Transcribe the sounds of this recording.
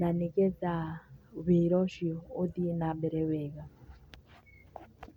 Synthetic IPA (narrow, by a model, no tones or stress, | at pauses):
nanikɛd͡zaβeɾɔʃiodinaɓɛɾɛβɛːka